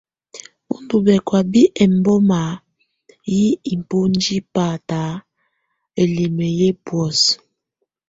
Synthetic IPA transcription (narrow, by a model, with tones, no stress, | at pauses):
ṵ˦n˦du˨bɛ˨kwa˨bi˦ʔɛ˨m˦bɔ˦ma˨˦ | ji˦i˨m˨po˦n˦d͡ʒi˦paː˨ta˨˦ | e˨le˨me˨je˦bwɔ˨s